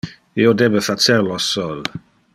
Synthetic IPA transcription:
iod̪ebəfat͡seɾlɔsɔl

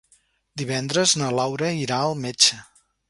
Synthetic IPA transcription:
d̪iβɛnd̪ɾəznəlawɾəiɾaəlˠmet͡ʃə

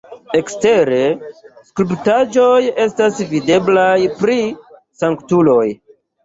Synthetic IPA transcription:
e̞kste̞ɾe̞skuluptad͡ʒo̞je̞stasvide̞blajpɾi | saŋktulo̞j

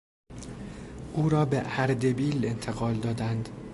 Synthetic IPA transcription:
ʔuːɾɒːbeʔæɾd̪ebiːle̞nt̪ʰe̞ɣɒːld̪ɒːd̪ænd̪

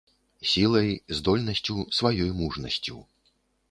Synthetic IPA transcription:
sʲilˠɐjzd̪ɔlʲnɐsʲt͡sʲusvajɔjmuʐnɐsʲt͡sʲṵ

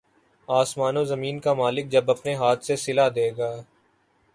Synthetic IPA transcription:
aːsmaːnõzɐmiːnkamaːlɪk̚d͡ʒɐbɐpneɦaːt̪ʰsesɪlad̪eːɡaː

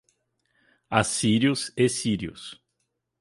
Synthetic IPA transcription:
asiɾiʊsesiɾiʊ̰s

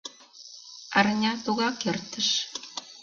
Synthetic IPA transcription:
ɑrnʲɑt̪oɣɑkert̪ə̆ʃ

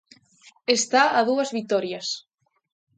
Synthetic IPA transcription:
est̪aːðuɐzβit̪ɔɾjɐs

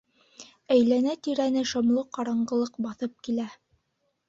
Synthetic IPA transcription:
æjlænæt̪iɾænɘʃŏmlˠɤqɑɾɑɴɢɤ̆lˠɤqbɑθɤp̚kilæ

